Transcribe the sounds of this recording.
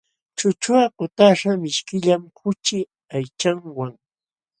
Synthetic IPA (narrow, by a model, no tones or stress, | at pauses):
t͡ʃʊt͡ʃʊaqʊt̪aʃamɪʃkɪʎamkʊt͡ʃɪ | ajt͡ʃaŋwaŋ